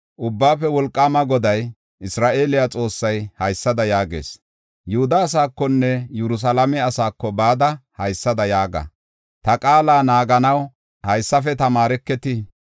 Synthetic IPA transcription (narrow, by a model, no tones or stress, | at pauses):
ʔʊbːaːfɛwɔlkʼːaːmɐɡɔd̪ɐj | ʔɪsɾaːʔe̞ːlɪjat͡sʼo̞ːsːɐjhɐjsːɐd̪ɐjaːɡḛːs | jʊhʊd̪ɐːs̬aːkːɔnːɛjɛɾʊs̬ɐlɐmɛɐsaːkːɔbaːd̪ɐhɐjsːɐd̪ɐjaːɡɐ̰ | t̪ɐkʼaːlaːnaːɡɐnɐw | hɐjsːɐfɛt̪ɐmaːɾɛkːɛt̪ɪ